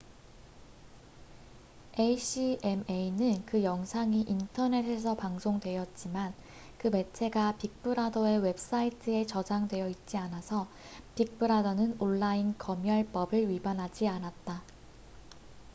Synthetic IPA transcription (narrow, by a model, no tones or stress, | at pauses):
eɕ͈ʰiʔe̞meinɯnkɯjʌŋsʰaŋiʔintʰʌne̞sʰe̞sʰʌpaŋsʰoŋdwe̞jʌt̚t͡ɕ͈iman | kɯme̞t͡ɕʰe̞ɡapik̚p͈ɯɾadoe̞we̞p̚s͈aitʰɯe̞t͡ɕʌd͡ʑaŋdwe̞jʌit̚t͡ɕ͈ianasʰʌ | pik̚p͈ʰɯɾadonɯnoɭːainkʌmjʌɭp͈ʌbɯɭɥibanɦad͡ʑianat̚t͈a